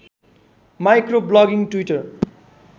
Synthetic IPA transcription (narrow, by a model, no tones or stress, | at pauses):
majkroblʌɡiŋʈwiʈʌr